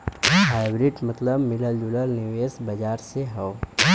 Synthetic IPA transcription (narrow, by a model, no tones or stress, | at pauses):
ɦaːɪbɾɪʈmɐt̪ləbmɪləld͡ʒuləlnɪʋeːsbɐd͡ʒaːɾseɦɐw